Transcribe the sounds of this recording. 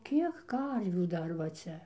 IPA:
ˈkʲiɛk ˈkɐrʲʋʲuː ˈdɐr ʋɐ ˈt͡sʲɛ

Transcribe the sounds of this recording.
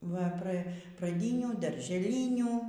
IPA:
ʋɐ ˈprɐ prɐˈdʲiːnʲuː dɐrʲʒʲɛˈlʲiːnʲuː

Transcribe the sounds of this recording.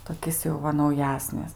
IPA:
toːˈkʲɪs jɛʊ ˈʋɐ nɐʊˈjæːsʲnʲɪs

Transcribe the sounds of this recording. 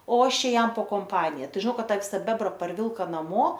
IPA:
oː ˈɐʃ ˈt͡ʃʲɛ ˈjɛm poː koːmˈpɑːnʲɪjɛ ˈtɐɪ ʒʲɪˈnɐʊ ˈkɐt ˈtɑː ˈʋʲɪsɐ ˈbʲæːbrɐ pɐrʲˈʋʲɪlˠkɐ nɐˈmoː

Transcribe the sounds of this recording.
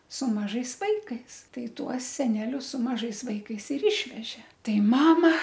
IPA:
sʊ mɐˈʒɐɪs ˈʋɐɪkɐɪs ˈtɐɪ ˈtuɔs sʲɛˈnʲæːlʲʊs sʊ mɐˈʒɐɪs ˈʋɐɪkɐɪs ɪr ˈɪʃʲʋʲɛʒʲeː ˈtɐɪ ˈmɑːmɐ

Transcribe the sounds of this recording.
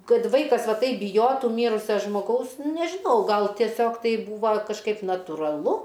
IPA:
ˈkɐt ˈʋɐɪkɐs ˈʋɐ ˈtɐɪp bʲɪˈjoːtʊ ˈmʲiːrʊsʲɛ ʒmoːˈɡɐʊs nʲɛʒʲɪˈnɐʊ ˈɡɐlˠ tʲiɛˈsʲoːk ˈtɐɪ ˈbuːʋɐ kɐʃˈkɐɪp nɐtuːrɐˈlˠʊ

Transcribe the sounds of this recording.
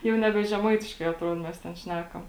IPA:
ˈjɛʊ nʲɛˈbʲɛ ʒʲɛˈmɐɪtʲɪʃkɐɪ ɐtˈruɔt ˈmʲɛs tʲɛn ˈʃʲnʲæːkɐm

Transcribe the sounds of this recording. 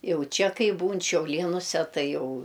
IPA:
ˈjɛʊ ˈt͡ʃʲɛ ˈkɐɪ ˈbuːn ʃʲɛʊˈlʲiɛnʊsʲɛ ˈtɐɪ ˈjɛʊ

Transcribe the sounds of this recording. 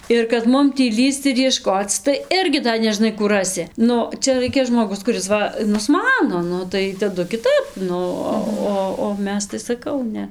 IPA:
ɪr kɐt ˈmʊm tʲiː ˈlʲiːst͡s ɪr jiɛˈʃkoːt͡s tɐɪ ˈɪrʲɡʲɪ dɐ nʲɛˈʒnɐɪ ˈkuː ˈrɑːsʲɪ ˈnʊ ˈt͡ʃʲɛ ˈrɐɪkʲɛ ʒmoːˈɡʊs kʊˈrʲɪs ˈʋɐ nʊsˈmɑːnoː ˈnʊ tɐɪ tɐˈdʊ kʲɪˈtɐp ˈnʊ oː ˈoː oː ˈmʲɛs tɐɪ sɐˈkɐʊ ˈnʲɛ

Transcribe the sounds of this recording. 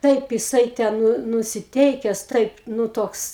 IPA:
ˈtɐɪp jɪˈsɐɪ tʲɛn ˈnʊ nʊsʲɪˈtʲɛɪkʲɛs ˈtɐɪp ˈnuː ˈtoːks

